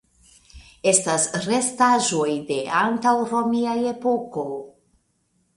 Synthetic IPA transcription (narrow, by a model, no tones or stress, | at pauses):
e̞stasɾe̞staʒo̞jde̞antawɾomiaje̞po̞ko̞